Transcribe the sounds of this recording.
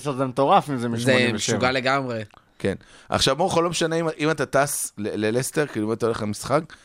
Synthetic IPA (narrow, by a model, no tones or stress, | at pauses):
ʃelzemet̪o̞ʁafimzemizeʃuɡale̞ɡamʁe | kenʔa̰χʃavboeχolo̞meʃaneimaʔimat̪ataslelelesteʁkiduimat̪aoleχamisχak